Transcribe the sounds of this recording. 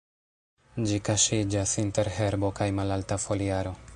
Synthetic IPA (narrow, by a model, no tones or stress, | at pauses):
d͡ʒikaʃid͡ʒasinte̞ɾɦe̞ɾbo̞kajmalaltafo̞liaɾo̞